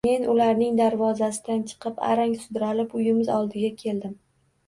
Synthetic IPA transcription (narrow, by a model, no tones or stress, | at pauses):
me̞nʊlaɾnɪŋd̪aɾvɒzasɪd̪ant͡ʃʰɨ̥qʰɨpa̰ɾaŋsʊd̪ɾalɪpʊjɪmɪzɒlˠd̪ɪɡʲakʲʰe̞ld̪ɪm